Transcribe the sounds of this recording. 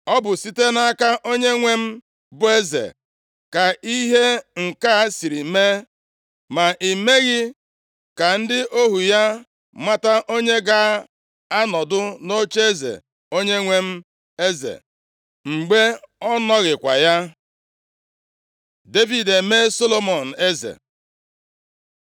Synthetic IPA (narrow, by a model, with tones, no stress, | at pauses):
ɔ˦bʊ˨si˦te˦na˦ka˦ʔo˦ɲe˦ŋʷe˦m̩˦ | bʊ˦e˦zḛ˨ | ka˨i˦ɦe˦ŋ̩˨ka˦si˨ɾi˨me˦ | ma˨ʔi˨me˦ɣɪ˦ | ka˨n̩˦dɪ˦ʔo˦ɦu˨ja˦ | ma˦ta˦ʔo˦ɲe˦ɡa˦ | a˦nɔ˨dʊ˦no˦t͡ʃe˦zḛ˨ | o˦ɲe˦ŋʷe˦m̩˦ | e˦zḛ˨ | ŋ͡m̩˨ɡ͡be˦ɔ˦nɔ˦ɣɪ˨kʷa̰˨ja˦ | de˦vi˨de˨me˦so˦lo˦mɔ˨n̩˨e˦zḛ˨